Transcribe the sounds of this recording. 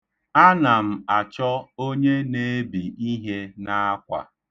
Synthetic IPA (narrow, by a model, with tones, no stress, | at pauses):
a˦na˨m̩˨a˨t͡ʃɔ˦o˦ɲe˦ne˦e˦bi˨i˦ɦe˦na˦a˦kʷa̰˨